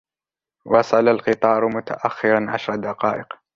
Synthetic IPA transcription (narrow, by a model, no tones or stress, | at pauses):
wɑsˤɑlalqɨt̪ˤɑːɾmʊt̪ʰa̰ʔaxːɪɾɑnʕaʃɾˤɑd̪aqɑːʔɪq